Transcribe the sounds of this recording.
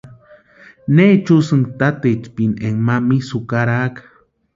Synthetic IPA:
net͡ʃusɨŋt̪at̪et͡ʃpineŋmamisukaɾakḁ

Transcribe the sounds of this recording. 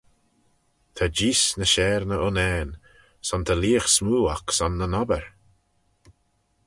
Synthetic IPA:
t̪ʰad͡ʒiːsnəʃɛːɹnəʊnɛːn | sɔnt̪ʰəliːəxsmuːaksɔnːənɔbəɹ

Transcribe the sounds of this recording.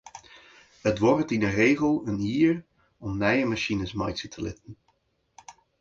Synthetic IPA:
ɦətʋɔrtɪnərejχəlˠəniːɹ | ɔmnajəmaʃinəsmɑjtətʰəlɪ̰tən

